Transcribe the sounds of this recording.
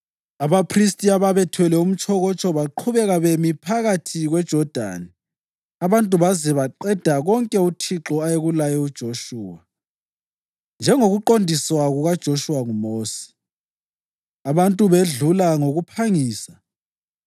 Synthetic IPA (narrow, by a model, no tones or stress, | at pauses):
aβapʰristʼiaβaβɛtʰwɛlɛum̩t͡ʃʰʼɔɣɔt͡ʃʼɔβaǃʰuβɛɣaβemipʰaɣatʰiɣwɛd̥ʒ̥ʱɔd̥ʱa̰ni | aβantʼuβazɛβaǃɛd̥ʱaɣɔŋkʼɛutʰiǁɔajeɣulajɛud̥ʒ̥ʱoʃuːwa | nd͡ʒʱɛŋoɣuǃondʱiswaɣuɣad̥ʒ̥ʱoʃuwaŋumoːsi̥ | aβantʼuβeɮulaŋoɣupʰaŋiːsa